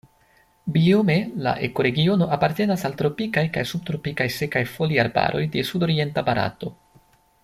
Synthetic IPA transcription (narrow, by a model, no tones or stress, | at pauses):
biomela̰ʔe̞ko̞ɾe̞ɡio̞no̞ʔapaɾte̞nasalt̪ɾo̞pikajkajsub̚t̪ɾo̞pikajse̞kajfo̞liaɾba̰ɾʔo̞̰jde̞sudo̞ɾie̞ntabaɾa̰to̞